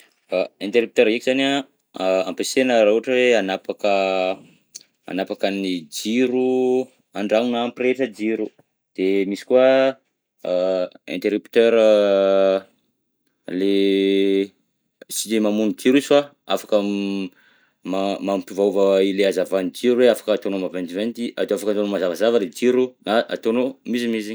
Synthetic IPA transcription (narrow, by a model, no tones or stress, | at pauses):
aent̪eɾup̚t̪øɾikʲiz̥ana | ampesenəɾauaʈ͡ʂəweanapakə | a̰napakanid͡ʒiɾu | aɳɖ͡ʐaŋinaampireʈ͡ʂəd͡ʒiɾu | d̪̥emisi̥kua | ḛnt̪eɾupt̪øɾə | le | sid͡ʒemamunid͡ʒiɾisfa | afḁkə | mamampivauvəileazavanid͡ʒiɾuweafḁkəat̪onomavent̪ivent̪ia̰d̪oafakant̪onomazavazavəled͡ʒiɾunaa̰t̪onomizimizi